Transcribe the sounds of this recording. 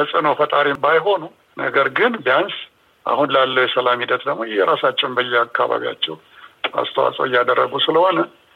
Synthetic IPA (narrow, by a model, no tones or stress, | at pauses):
əsʼɨnofət̪ʼaɾimbajɦo̞nu | nə̰ɡəɾɡɨnbijans | ʔa̰hunlalːəwjɛsəlamhid̪ət̪d̪əɡmojɛɾasat͡ʃːɛwnbəjːɛakːa̰βa̰βḭja̰t͡ʃːɛw | a̰st̪ʰəwa̰sʼə̰wɪjːad̪ərːəɡusɨləho̞nə